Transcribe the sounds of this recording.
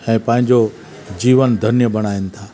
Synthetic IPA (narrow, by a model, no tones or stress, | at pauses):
ɛ̃ːpɐ̃ɦɪ̃ɲd͡ʑo | d͡ʑiːʋənd̪ʱɐnjəbɐɽ̃aːinɪ̆t̪ʰaː